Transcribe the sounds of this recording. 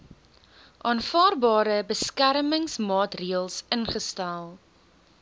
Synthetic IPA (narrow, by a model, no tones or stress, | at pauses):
ʔɑːnfɑːrbɑːɾəbəskæɾməŋsmɑːtriəlˠsənχəstælˠ